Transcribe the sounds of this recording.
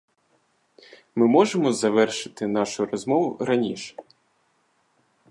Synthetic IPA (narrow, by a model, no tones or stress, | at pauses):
mɪmɔʒemɔzɐʋɛrʃɪ̥t̪ɪn̪ɑʃʊɾɔzmɔʋʊɾɐnʲiʃɛ̥